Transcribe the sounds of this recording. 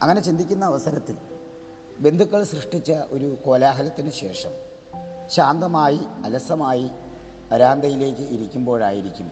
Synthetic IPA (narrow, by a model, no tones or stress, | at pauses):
ɐ̰ŋːɐne̞t͡ɕind̪ikʲːunːɐːʋɐsɐɾɐt̪ːil | be̞nd̪ʱukːɐɭsrɨʂʈit͡ɕːɐʔo̞ɾuko̞ːlaːɦɐlɐt̪ːinɨɕe̞ːʂɐm | ɕaːnd̪ɐmaːjiɐlɐsɐmaːji | pɐɾaːnd̪ɐjile̞ːkʲːɨiɾikʲːumbo̞ːɭaːjiɾikʲːum